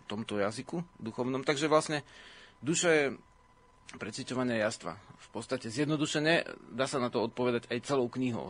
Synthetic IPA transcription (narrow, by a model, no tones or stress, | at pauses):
t̪ɔmt̪ɔjazikud̪uxɔʊnɔmt̪aɡʒɛʋlasɲɛd̪uʃajɛ | pɾɛt͡sʋicɔʋaɲɪajast̪ʋa̰fpɔt̪t͡sst̪acɛzjɛd̪nɔd̪uʃɛɲɛd̪aːsanat̪ɔɔt̪̚pɔʋɛd̪aɟajt͡sɛlɔʊkɲiɦɔ̰ʊ